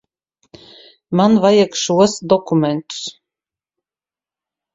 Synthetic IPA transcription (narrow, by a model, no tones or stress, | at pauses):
manvajakʃuɔsd̪ɔkumʲɛnt̪u̥s